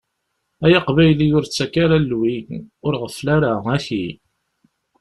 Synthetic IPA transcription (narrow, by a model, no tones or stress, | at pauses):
æjɑqvæjlijʊɾt͡sːækaɾalːwinʊɾʁəflaɾaæçi